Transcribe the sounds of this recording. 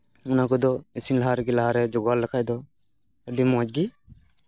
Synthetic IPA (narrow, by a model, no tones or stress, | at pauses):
ʊnakɔd̪ɔisinlaɦaɾɡilaɦaɾɛd͡ʒɔɡwalːəkʰajd̪ɔ | əɖimɔ̃d͡ʒɡi